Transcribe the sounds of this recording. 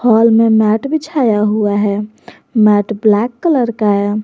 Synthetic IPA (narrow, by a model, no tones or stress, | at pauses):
hɔːlmemɛʈbit͡ʃʰajaɦuaɦɛ | mɛːʈʰblɛkːələɾkae